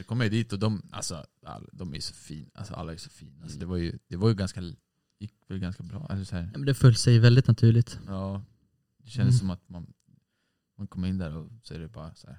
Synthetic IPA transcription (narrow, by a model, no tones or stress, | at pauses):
d̪ɛkʰɔmːəɾjd̪iːt̪ɔd̪ɔma̰lsɔa̰lːd̪ɔmæɾjsɔ̥fiːna̰lsɔ̰ʔa̰lːaæjsɔ̥fiːnasɔd̪ɛvaɾjɵd̪̥ɛvajɵɡanska | jɪkːvɛlɡanskabɾɑ̰ːʔɛ̰lɔsæːɾɛmɛnd̪ɛfɵlːsɛjvɛld̪ɪt̪nat̪ʰʉ̟ːɭɪt̪jɑː | d̪ɛɕɛnd̪əsːɔmat̪man | mankʰɔmːɪnːd̪æːɾɔsɔæ̰ɖɛbɑːɾasæ̰ːɾ